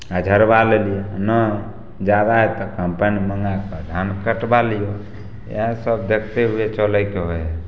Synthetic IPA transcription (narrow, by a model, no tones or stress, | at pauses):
ad͡ʒʱəɾbalelijanə | d͡ʒad̪aɦet̪ɔkəmpəniməŋɡakəd̪ʱankəʈbalijo | ḛɦsəb̚d̪ekʰt̪eɦuet͡ʃəlɛkeɦojɛ